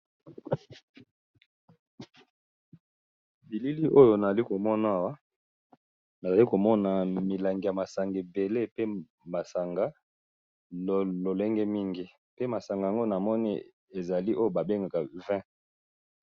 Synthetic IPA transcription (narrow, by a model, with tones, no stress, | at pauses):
bi˨li˦li˦ʔo˦jo˨na˨a˨li˦ko˨mɔ˦na˦˨wa˦ | na˨za˨li˦ko˨mɔ˦na˨mi˨la˨ŋɡi˨ja˨ma˨sa˨ŋɡe˨be˨le˦pe˦ | ma˨sa˨ŋɡa˦˨ | lo˨le˦ŋɡɛ˦mi˦ŋɡi˦ | pe˦ma˨sa˨ŋɡa˨ja˨ŋɡo˦˨na˨mɔ˦nḭ˦ | e˨za˨li˦ʔo˦jo˨ba˨be˦ŋɡa˨ka˨vɛ̃˦